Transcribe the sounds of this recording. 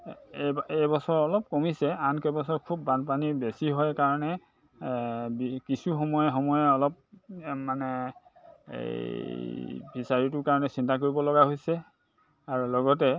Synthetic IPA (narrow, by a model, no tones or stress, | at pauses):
eebɔsɔɹɔlɔp̚komisɛankɛbɔsɔɹkʰubːanpanibesiɦɔjkaɹɔnɛ | bikisuxɔmɔjɛxɔmɔjɛɔlɔp̚manɛ | ḛ | bʱisaɹitʊkaɹɔnɛsintak̬oɹibɔlɔɡaɦojsɛ | aɹulɔɡɔtɛ